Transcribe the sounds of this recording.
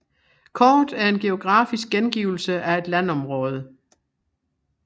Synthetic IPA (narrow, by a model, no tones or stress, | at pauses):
kʰɒːd̥æɐe̝nɡ̥e̝o̝ɡ̥ʁɑ̈ːfis̬ɡ̥̚ɡ̥enɡ̥iːʊl̩səʔæe̝d̥lænɒ̽mʁɔːð̞ˠə